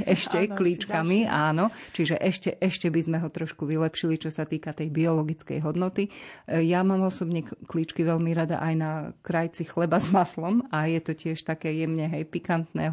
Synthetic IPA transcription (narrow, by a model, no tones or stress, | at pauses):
ɛʃcɛkliːt͡ʃkamiaːnɔt͡ʃiʒɛʔɛʃcɛʔɛʃcɛbizmɛɦɔt̪ɾɔʃkuʋilɛpʃilit͡ʃɔsat̪iːkat̪ɛjbiɔlɔɡit͡skɛ̰jɦɔd̪nɔt̪ijamaːmɔsɔbɲɛkliːt͡ʃkiʋɛʎmiɾad̪a̰ʔajnakɾajt͡sixlɛbazmaslɔmajɛt̪ɔcɪɛʃt̪akɛːjɛmɲɛɦɛjpikant̪nɛː